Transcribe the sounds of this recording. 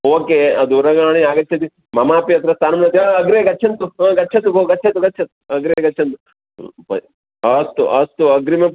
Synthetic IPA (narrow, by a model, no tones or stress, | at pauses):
oːkeɐd̪uɾɐɡaːɳ̃iaːɡɐt͡ʃːt͡ʃʰɐt̪i | mɐmaːpjɐt̪ɾɐst̪ʰaːnmnɐt̪iɐɐɡɾeːɡɐtːt͡ʃʰɐnt̪uɐɡɐtːt͡ʃʰɐt̪ukoɡɐtːt͡ʃʰɐt̪uɡɐtːt͡ʃʰɐt̪u̥ɐɡɾeːɡɐtːt͡ʃʰɐnt̪u | pɐ̰ | ɐst̪uʔɐst̪uɐɡɾime